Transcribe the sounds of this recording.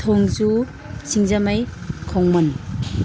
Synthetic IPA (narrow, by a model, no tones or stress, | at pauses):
tʰoŋzu | siŋzamajkʰoŋmɐn